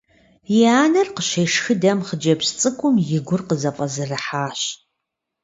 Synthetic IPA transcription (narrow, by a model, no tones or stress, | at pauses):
jɪaːnɐrqəʃejʂxɨdɐmχəd͡ʒɐpst͡sʼɨkʷʰʼʊmjɪɡʷʊrqəzɐfʼɐzɨrɨħaːɕ